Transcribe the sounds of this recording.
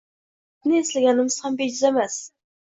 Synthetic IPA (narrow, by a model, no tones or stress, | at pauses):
nɪeslɪɡʲɛnɪmɪz̥hæmbed͡ʒɪzɛmɛs